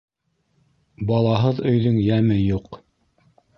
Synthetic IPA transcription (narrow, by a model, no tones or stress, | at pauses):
bɑlˠɑɦɤðɵ̆jðɵŋjæmɘjuq